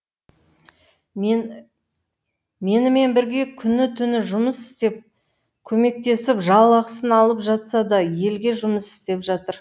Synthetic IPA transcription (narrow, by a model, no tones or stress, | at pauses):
me̞nɪme̞nbɪɾɡʲe̞kʲʰʏnːɪt̪ʰʏnɪʒʊməsɪ̥st̪e̞p̚ | kʲʰɵme̞k̚t̪e̞sɪpʒɑlˠɑqsənɑlˠəpʒɑt̪sɑd̪ɑje̞lɡʲe̞ʒʊməsɪ̥st̪e̞pʒɑt̪əɾ